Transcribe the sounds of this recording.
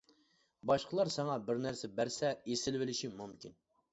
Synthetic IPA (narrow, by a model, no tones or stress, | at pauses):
bɑʃqʰəlˠɑɾsɑŋɑbɪɾnæɾsɛbæɾsɛesɪlvɪlɪʃimumkʲin